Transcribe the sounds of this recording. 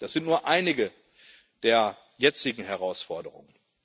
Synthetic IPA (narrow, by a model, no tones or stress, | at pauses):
d̥asz̥ɪntnuːɐʔaɪnɪɡə | d̥eːɐ | jɛt͡sɪɡŋ̩ɦɛʁaʊsfɔɐdəʁʊ̰ŋən